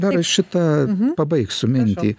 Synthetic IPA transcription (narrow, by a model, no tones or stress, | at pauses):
d̪ɐɾɐʃʲɪt̪ɐpɐbɐɪksʊmʲɪnʲt̪ʲiː